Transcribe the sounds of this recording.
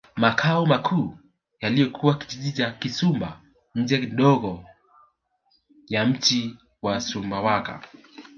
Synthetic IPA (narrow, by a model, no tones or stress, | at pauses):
makʰaɔmakʰuː | jalijɔkʰuwaki̥ʄiʄit͡ʃakisumba̰ | ɲ̩d͡ʒɛkiɗɔɣɔ | jam̩t͡ʃi | wasumbawaka̰